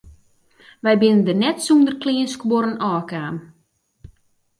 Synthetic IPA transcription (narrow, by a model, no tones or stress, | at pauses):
ʋɛjbɪnəndərnɛtsundərklɪənskwoɾənɔːkaːm